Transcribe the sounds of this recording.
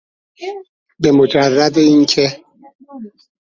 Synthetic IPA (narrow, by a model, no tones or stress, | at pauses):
bemod͡ʒærːæd̪eiːncʰe